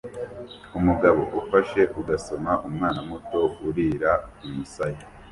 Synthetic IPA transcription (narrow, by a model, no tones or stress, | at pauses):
umuɡaβo̞̰ʔufaʃe̞ʔuɡaso̞maʔumŋaːnamuto̞uɾiːɾaumusaje